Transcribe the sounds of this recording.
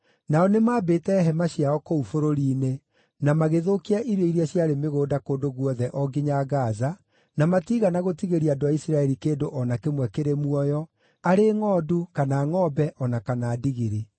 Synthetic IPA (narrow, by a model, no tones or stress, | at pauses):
naɔnemaːbeːtɛɦɛmaɕiaɔkoufoɾoɾiːne | namaɣeðokiaʔiɾweiɾiaɕjaɾemeɣoːdakoːndoɣwɔðɛʔɔɡiɲaɡaza | namatiɣanaɣotiɣeɾiadoaisɾaɛɾikeːndoʔɔnakemwɛkeɾemuɔjɔ | aɾeŋɔːdukanaːŋɔːbɛʔɔnakanaːdiɣiɾi